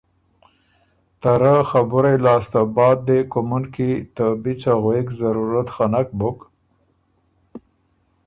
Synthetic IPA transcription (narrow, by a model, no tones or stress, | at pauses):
t̪aɾaxabʊɾelɑst̪abɑd̪̚ːekʊmunkit̪abit͡saɣwekzaɾuɾat̪xanak̚bʊk